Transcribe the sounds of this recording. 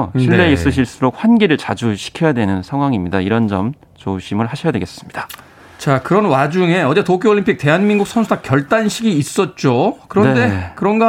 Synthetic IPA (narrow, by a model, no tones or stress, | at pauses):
ɕʰiɭːe̞is͈ɯɕ̬ʰiɭs͈uɾok̚ɸwanɡeɾɯɭt͡ɕad͡ʑuɕʰi̥kʰjʌjadwe̞nɯnsʰaŋɦwaŋimɲidaiɾʌnd͡ʑʌm | t͡ɕoɕʰimɯɭɦaɕʰʌjadwe̞ɡe̞s͈ɯmɲid̥a | t͡ɕakɯɾʌnwad͡ʑuŋe̞ʌd͡ʑetokʰjooɭːimpʰik̚te̞ɦanminɡuk̚sʰʌnsʰudakjʌɭt͈anɕʰiɡiːs͈ʌt̚t͡ɕ͈okɯɾʌnde̞kɯɾʌnɡa